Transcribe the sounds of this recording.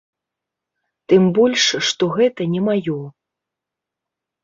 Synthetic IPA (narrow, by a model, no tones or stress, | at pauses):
t̪ɨmbɔlʲʂʂt̪ɔɣɛt̪ɐnʲɛmajɔ